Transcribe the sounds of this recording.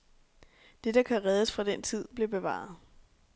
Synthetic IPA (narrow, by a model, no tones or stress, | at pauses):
d̥e̝d̥ɑ̈kʰæʁɛð̞ˠəsfʁɑ̈d̥en̰t͡sʰið̞̰ˠb̥le̝b̥e̝ʋɑ̰̈ːð̩ˠ